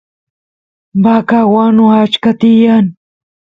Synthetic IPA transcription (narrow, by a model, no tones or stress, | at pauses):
bakawanʊat͡ʃkat̪ɪjaŋ